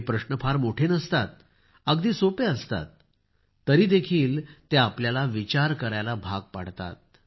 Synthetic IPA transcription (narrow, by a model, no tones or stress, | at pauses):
pɾəɕɳəpʰaɾmoʈʰenəst̪at̪̚ | əɡd̪iːsopeəst̪a̰t̪̚ː | əɾiːd̪ekʰiːlt̪eapljalaʋit͡ɕaɾkəɾajlabʱaɡ̚pa̰ɽ̤t̪a̰t̪̚